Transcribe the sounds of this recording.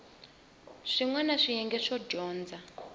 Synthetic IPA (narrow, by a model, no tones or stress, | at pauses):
ʂiŋwanaʂijɛŋɡɛʂɔd͡ʒɔːnd͡za